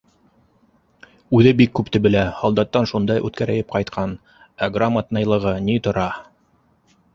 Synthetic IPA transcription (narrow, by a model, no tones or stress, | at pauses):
ʉðɘbikːʉpt̪ɘ̆bɘ̆læhɑlˠd̪ɑt̪ːɑnʃund̪ɑjʔʉ̰t̪kæɾæ̆jɘp̚qɑjt̪qʰɑn | æɡramːat̪nɑjlˠɤ̆ʁɤnit̪ŏɾɑ